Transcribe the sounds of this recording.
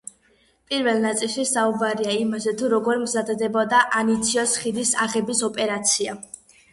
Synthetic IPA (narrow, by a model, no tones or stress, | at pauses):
pʼiɾvɛlˠnat̪sʼilˠʃisaubaɾiaimazɛt̪ʰuɾɔɡɔɾmzad̪d̪ɛbɔd̪aʔanit̪sʰiɔsχid̪isaʁɛbisɔpʼɛɾat̪sʰia